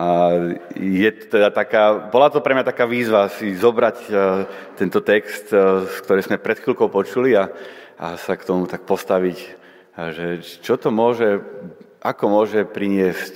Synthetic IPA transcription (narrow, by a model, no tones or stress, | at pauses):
a | jɛt̪ɔ̥t̪ɛd̪at̪akaːbɔlat̪ɔpɾɛmɲat̪akaːʋiːzʋasizɔbɾac | t̪ɛnt̪ɔt̪ɛkst̪sk̚t̪ɔɾɛjzmɛpɾɛt̪xilkɔʊpɔt͡ʃuliaʔa̰sakt̪ɔmut̪ak̚pɔst̪aʋic | ʒɛt͡ʃɔt̪ɔmʊɔʒɛ | ʔakɔmʊɔʒɛpɾiɲɪɛsc